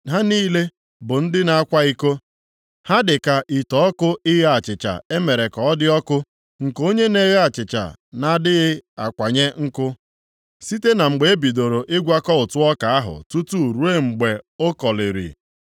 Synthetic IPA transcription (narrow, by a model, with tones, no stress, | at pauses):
ɦa˦niː˦le˦ | bʊ˨n̩˦dɪ˦na˨a˦kʷa˦i˦ko˦ | ha˦dɪ˨ka˨ʔi˨tɔ˨ɔ˦kʊ˦ɪ˦ɦe˦a˨t͡ʃɪ˨t͡ʃa̰˨e˦me˨ɾe˨kɔ˨ɔ˦dɪ˦ɔ˦kʊ˦ | ŋ̩˨ko˦ɲe˦ne˦ɣe˦a˨t͡ʃɪ˨t͡ʃa̰˨na˨dɪ˦ɣɪ˦a̰˨kʷa˨ɲe˦ŋ̩˦kʊ˦ | si˦te˦na˨ŋ͡m̩˨ɡ͡be˨e˦bi˨do˨ɾo˨ʔɪ˦ɡʷa˦kɔ˦ʊ˨tʊ˦ɔ˦ka˨a˦ɦʊ̰˨tu˦tu˦˨ɾu˦e˦ŋ͡m̩˨ɡ͡be˨o˦kɔ˨lɪ˨ɾḭ˨